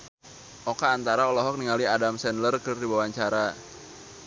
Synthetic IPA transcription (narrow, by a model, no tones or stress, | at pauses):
ʔokaːnt̪aɾaolɔɦɔk̚niŋaliadamsɛnlərkərdiwawaɲt͡ʃaɾa